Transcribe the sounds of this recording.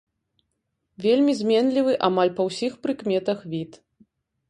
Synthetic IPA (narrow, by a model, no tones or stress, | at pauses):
vʲelʲmʲizʲmʲɛnlʲivɨʔamalʲpɐwsʲixpɾɨkmʲɛt̪ɐxvʲit̪